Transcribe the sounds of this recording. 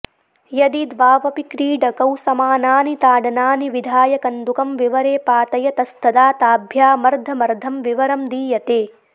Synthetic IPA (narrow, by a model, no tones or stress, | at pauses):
jɐd̪id̪ʋaːʋɐpikɾiːɖɐkɐwsɐmaːnaːnit̪aːɖɐnaːniʋid̪ʱaːjɐkɐnd̪ukɐmʋiʋɐɾeːpaːt̪ɐjɐt̪ɐst̪ɐd̪aːt̪aːbʱjaːmɐɾd̪ʱɐmɐɾd̪ʱɐmʋiʋɐɾɐmd̪iːjɐt̪eː